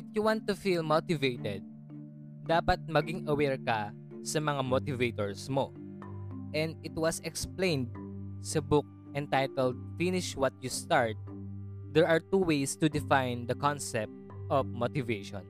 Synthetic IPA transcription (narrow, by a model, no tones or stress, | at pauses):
ʔɪfjuwãnt̪ːʊfilmot̪ɪvejt̪ɛd̪̚ː | aːpɐt̪̚mɐɡɪŋɐwɛɹkɐ | sɐmɐŋamot̪ɪvejt̪ɔɹsmo | ʔɛ̃nd̪ɪt̪wɐsɛksplẽjnd̪̚sɐbʊk̚ | ʔɛ̃nt̪ajt̪ɛld̪̚finɪʃwɐt̪̚just̪aɹt̪̚d̪ɛɹʔɐɹt̪uwejst̪ʊd̪ɪfãjnd̪ɐkɔ̃nsɛp̚t̪̚ʔɔvmot̪ɪveʃɔ̰̃n